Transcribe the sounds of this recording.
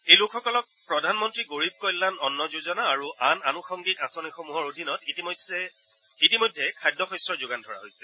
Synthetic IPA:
ejlʊkʰxɔkɔlɔk̚pɹɔdʱanmɔntɹiɡoɹib̚kɔjlːanɔnːɔzuzɔnaːɹuʔananuxɔŋɡikasɔnixomuɦɔɹodʱinɔtit | itimojdʱːɛkʰajdʱɔxɔjsɹɔɹzʊɡandʱɔɹa̰ɦojsɛ

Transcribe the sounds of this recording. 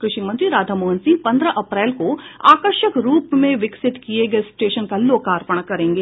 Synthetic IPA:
kɾɪʃimɐ̃nt̪ɾiɾaːd̪ʱɐmoːɦənsɪ̃ŋɡ̚pɐ̃nd̪ɾəʔɐpɾɛːlkoaːkəɾʃəkɾuːpmẽʋɪksɪt̪kijeɡɐesʈeːʃənkaloːkaːɾpəɳ̃akɐɾẽːŋɡeː

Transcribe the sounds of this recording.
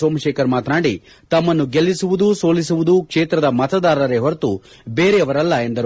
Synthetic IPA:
soːmɐʃeːkɐɾmaːt̪naːɽi | t̪ɐmːɐnːuɡelːisuʋud̪uso̞ːlis̬uʋud̪ukʂeːt̪ɾɐd̪ɐmɐt̪ɐd̪aːɾɐɾeɦoɾt̪u | beːɾeɐʋɐɾɐlːɐe̞nd̪ɐɾ

